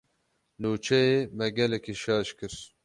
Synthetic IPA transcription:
nuːt͡ʃʰɛjemɛɡɛlɛkeʃɑːʃkɨɾ

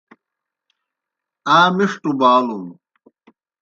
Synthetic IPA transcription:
aːmiʂʈubaːlum

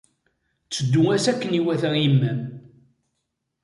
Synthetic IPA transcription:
t͡sːəd̪ːuŋæsækːəniwæθæimːæm

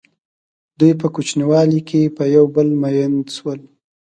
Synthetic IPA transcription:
d̪ujpəkut͡ʃniwɑlikʰepəjawbəlmajənswəl

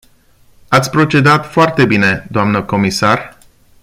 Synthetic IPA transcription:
at̪sʲpɾo̞t͡ʃe̞d̪at̪foart̪e̞bine̞d̪oamnəko̞misar

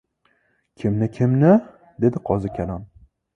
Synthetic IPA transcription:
kʲʰɪmnɪkʲʰɪmnɪ | d̪e̞d̪ɪqʰɒzɪkʲʰalam

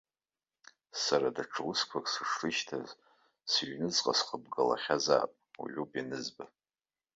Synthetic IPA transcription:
saɾadaʈ͡ʂʰɨwɨskʷʰakʼsɨʂrɨʃtʰa̰z | sɥnɨzqʼasχəbɡala̰χʲaza̰ːpʼṵʕʷupʼjanɨzba

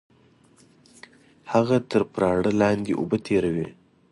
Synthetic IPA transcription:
haɣat̪əɾpɾɑːɽəlɑnd̪eʔṵbət̪ʰeɾawe

